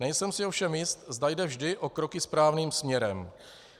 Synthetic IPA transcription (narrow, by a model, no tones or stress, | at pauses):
nɛjsɛmsɪofʃɛmjɪst̪zd̪ajdɛvʒdɪʔo̞kɾo̞kɪspɾaːvniːmsmɲɛɾɛm